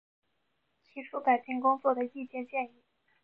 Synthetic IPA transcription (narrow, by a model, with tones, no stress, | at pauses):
t͡ɕʰi˧˥ʈ͡ʂʰu˥pa˨˩ɪt͡ɕi˥ŋkʊ˥ŋt͡swɔ˥˩d̪ə˩i˥˧t͡ɕjɛ˥˧nt͡ɕjɛ˥˧ni˥˩